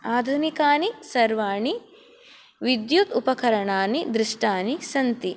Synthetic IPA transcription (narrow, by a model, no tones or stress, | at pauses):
aːd̪ʱunikaːnisɐɾʋaːɳi | ʋid̪jut̪upɐkɐɾɐɳaːnid̪ɾɪʂʈaːnisɐnt̪i